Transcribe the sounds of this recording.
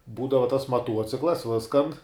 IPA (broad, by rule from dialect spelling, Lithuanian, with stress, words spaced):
ˈbuːdɐʋɐ tɐs mɐˈtuɔt͡sʲɪklˠɐs ˈʋʲɪskɐn